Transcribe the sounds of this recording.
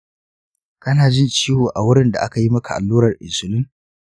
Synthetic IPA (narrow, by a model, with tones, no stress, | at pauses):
kɐ˦naː˨d͡ʒɪ˦nt͡ʃiː˦hoː˨ʔa˨wʊ˦ɽɪ˦nda̰˨ʔa˦ka˨ji˦mɐ˦kʰa̰˨ʔa̰˨lːuː˦ɾɐ˨rʔɪ̰˨sʊ˨lɪ˦ŋ